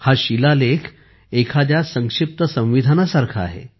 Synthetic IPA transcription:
haɕilalekʰ | ekʰad̪jasəŋkʂip̚t̪əsə̃w̃ʋid̪ʱanasaɾkʰaa̰ɦḛ

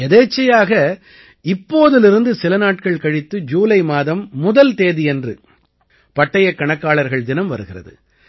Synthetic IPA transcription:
ɛðeːt͡ʃːɐjaːɣɐ | ɪpːoːðɪlɪɾɯnd̪ɯsɪlɐnaːʈkɐɭkɐɻɪt̪ːɯd͡ʒuːlɐɪmaːðɐmːʊðɐlt̪eːðɪɛndrɯ | pɐʈːɐjɐkːɐɳɐkːaːɭɐɾɣɐɭd̪ɪnɐmʋɐɾɯɣɪrɐ̰ðɯ̰

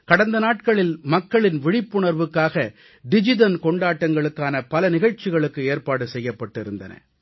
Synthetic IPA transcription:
kɐɽɐnd̪ɐnaːʈkɐɭɪlmɐkːɐɭɪnʋɪɻɪpːʊɳɐɾʋɯkːaːɣɐ | ɖɪd͡ʒɪðɐnkɔɳɖaːʈːɐŋɡɐɭɯkːaːnɐpɐlɐnɪɣɐɻt͡ʃːɪɣɐɭɯkːɯeːɾpaːɽɯsɛjːɐpːɐʈːɪɾɯnd̪ɐ̰nɐ̰

